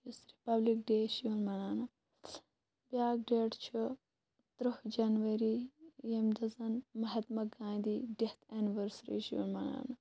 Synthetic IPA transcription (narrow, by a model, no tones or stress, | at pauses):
jisɾipɐblik̚ɖeːʃijunmɐnaːnɐ | bʲjaːɡ̚ɖeːʈt͡ʃʰu | t̪ɾɐhd͡ʒɐnʋɐɾijemd̪ɐzɐnmɐɦɐt̪mɐɡãːd̪iɖeht̪ʰeniʋɐɾsɾḭʃiṵnmɐna̰ːnɐ